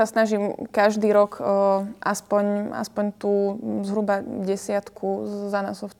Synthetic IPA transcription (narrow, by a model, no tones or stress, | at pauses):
asnaʒimkaʒd̪iːɾɔkːʔa̰spɔɲa̰spɔɲt̪uːzɦɾubaɟɛsɪat̪kʰuzana̰sɔf